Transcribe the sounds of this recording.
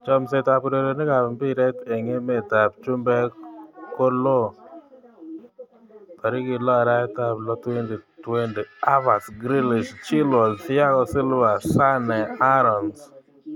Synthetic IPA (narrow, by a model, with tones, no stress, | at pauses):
t͡ʃɔ˨ms̬e˨ta˨pu˨ɾe˨ɾe˨nɪ˦ka˨mbɪ˦ɾɛ˦te˨ŋe˦me˨ta˨pt͡ʃu˦mbɛ˦ko˦lo˦ | ta˨ɾɪ˦kɪ˨lɔ˦a˨ɾa˦ɛ˦ta˨plɔ˦twe˦ndi˨twe˦ndi˨a˦va˨sɡɾi˦li˨ʃt͡ʃi˦lwɔ˨zfɪ˦a˦kɔ˦sɪ˦lva˨sa˦nɛ˨a˦ɾɔ˨ns